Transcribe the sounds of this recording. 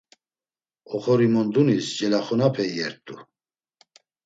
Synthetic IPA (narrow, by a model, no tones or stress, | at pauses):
ɔχɔɾimɔnd̪unisd͡ʒʼɛlaχɔnapʰɛjɛɾt̪ʼːu